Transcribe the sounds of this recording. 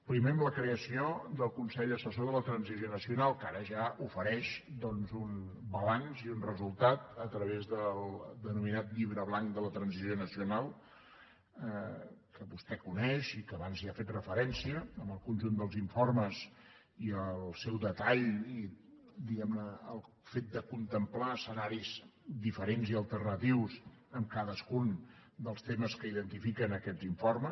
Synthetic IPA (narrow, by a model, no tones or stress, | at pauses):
pɾimeəmləkɾeəsiod̪əlˠkunsɛʎəsəsoðələt̪ɾənzizjonəsiunalˠkaɾəʒaufəɾɛʃd̪ɔnzunbəlanziunrəzulˠt̪at̪ət̪ɾəβ̞ezðəlˠd̪ənuminat̪ʎiβɾəβlaŋkd̪ələt̪ɾənzizjonəsiunalˠ | kəβust̪ɛkunɛʃikəːβanziafet̪rəfəɾɛnsiəəməlˠkunʒund̪əlˠziɱforməz | iəlˠsɛwd̪ət̪aʎi | d̪iɣɛmnəːlˠ | fet̪̚d̪əkunt̪əmplaəsənaɾizd̪ifəɾenziəlˠt̪ərnət̪iws | əmkaðəskund̪əlˠst̪eməskəiðənt̪ifikənəkɛd͡ziɱformə